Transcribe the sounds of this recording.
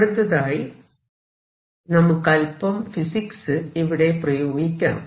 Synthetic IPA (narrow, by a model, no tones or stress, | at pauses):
ɽɯt̪ːɐðaːj | nɐmːɯkːɐlpɐmfɪsɪksɨɪʋɪɽɐɪpɾɐjoːɣɪkʲːɐnɯ̰m